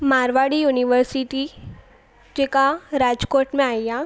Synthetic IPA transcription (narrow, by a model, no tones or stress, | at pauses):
maːɾʋaɽijuniʋəɾsiʈi | d͡ʒekaɾad͡ʒkoːʈmẽaːjja